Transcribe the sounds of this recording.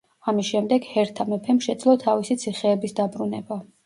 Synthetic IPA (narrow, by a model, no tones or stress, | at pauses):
amisʃɛmd̪ɛɡhɛɾt̪ʰamɛpʰɛmʃɛd̪zlˠɔt̪ʰavisit̪sʰiχɛːbisd̪abɾunɛba